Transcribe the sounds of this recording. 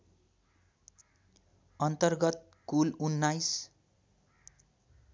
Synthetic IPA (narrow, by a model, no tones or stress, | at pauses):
ʌnt̪ʌrɡʌt̪̚ | kulunːajs